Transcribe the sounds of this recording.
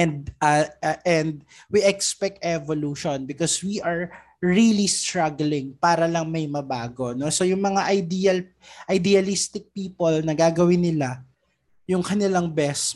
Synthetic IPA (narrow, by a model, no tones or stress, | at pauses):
ɛnd̪̚ʔɐʔɛnd̪̚ | wiʔɛkspɛk̚t̪ʔɛvoluːʃonbɪkɔswiʔɐɹ | ɹilist̪ɹaɡlɪŋpaːɾɐlɐŋmɐjmɐbaːɡo̞no̞sojʊŋmɐŋaʔɐjd̪iɐl | ʔɐjd̪ɪɐlist̪ɪk̚piːpolnɐɡaːɡɐwɪnɪla | jʊŋkɐnɪlaŋbɛs